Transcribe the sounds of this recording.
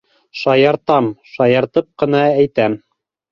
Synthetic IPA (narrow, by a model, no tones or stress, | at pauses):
ʃɑjɑɾt̪ɑmʃɑjɑɾt̪ɤp̚qɤ̆nɑæjt̪æm